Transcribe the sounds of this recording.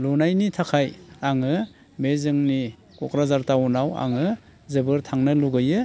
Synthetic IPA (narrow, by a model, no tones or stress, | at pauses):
lunajnitʰakʰajaŋɯ | mezɯŋni | kɔkɾazaɾtawunawa̰ŋɯ | zɯbɯɾtʰaŋnɯluɡɯjɯ